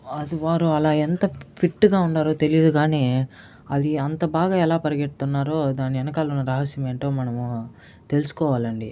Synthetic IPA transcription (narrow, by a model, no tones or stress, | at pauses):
ɐd̪iʋaːɾuɐlaːent̪ɐpʰiʈːɡaːuɳɖaːɾoːt̪e̞lijɐd̪uɡaːneː | ɐd̪iɐnt̪ɐbaːɡaːɛlaːpɐɾɐɡeʈ̚t̪unːaːɾo̞ːd̪aːnːiɛnɐkaːlonːɐɾɐɦɐsjɐme̞ːɳʈoːmɐnɐm | t̪e̞lusu̥kɔːʋaːlɐɳɖi